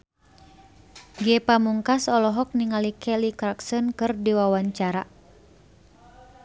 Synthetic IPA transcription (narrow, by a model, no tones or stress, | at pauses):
ɡɛpamuŋkasɔlɔɦɔk̚niŋalikʰɛlikɾaksɔnkɨrdiwawaɲt͡ʃaɾa